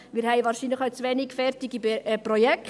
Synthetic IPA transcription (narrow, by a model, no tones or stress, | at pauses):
miːɾhɛɪʋɑːɾʃinləχaʊt͡sʋɛniɡfɛrtɪɡiprɔjɛk